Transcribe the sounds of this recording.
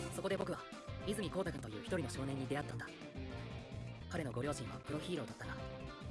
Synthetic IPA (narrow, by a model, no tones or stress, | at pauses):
so̞kod̪e̞bo̞kɯ̟βa | izɨmʲiko̞ːt̪akãnt̪ojɯ̟ːçi̥t̪o̞ɾino̞ɕo̞ːnẽ̞ɲ̟ːid̪e̞at̪ːãnd̪a | kaɾe̞no̞ɡo̞ɾʲo̞ːʑĩɰ̃βakɯ̟ɾo̞çiːɾo̞ːd̪at̪ːana